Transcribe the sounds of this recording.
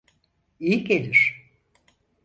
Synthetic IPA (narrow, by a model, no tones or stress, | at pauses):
ijikelʲiɾ̥